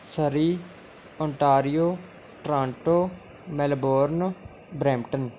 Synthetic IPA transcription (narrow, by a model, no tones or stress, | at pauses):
səɾiː | ɔ̃ɳʈaːɾijoː | ʈɾãːɳʈoː | mɛlboːɾn | bɾɛ̃ːmʈən